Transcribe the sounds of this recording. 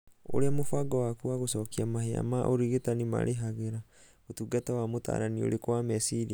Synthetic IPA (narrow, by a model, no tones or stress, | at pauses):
o̰ɾeamofaɡɔwakuaɣosɔːkiamahea̰maʔoɾiɣetanima̰ɾʔeɦaɣeɾa | otuɡatawamota̰ːɾanio̰ɾekwamɛsiɾia